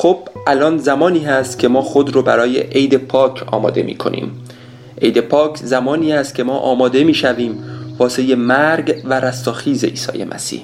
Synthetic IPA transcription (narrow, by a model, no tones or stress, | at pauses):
xob̥ʔælɒːnzæmɒːniːhæst̪cʲʰe̞mɒːxo̞d̪ɾoːbæɾɒːjḛʔejd̪e̞pʰɒːkʰɒ̰ːmɒ̰ːd̪e̞̰mḭːkʰo̞̰nʔḭːm | ʔe̞jd̪e̞pʰɒːkʰzæmɒːniːhæst̪̚kʲʰe̞mɒːʔɒ̰ːmɒːd̪e̞miːʃæviːmvɒːse̞jemæɾɡvæɾæst̪ɒːxiːze̞ʔḭːsɒ̰ːje̞̰mʔæ̰sḭːh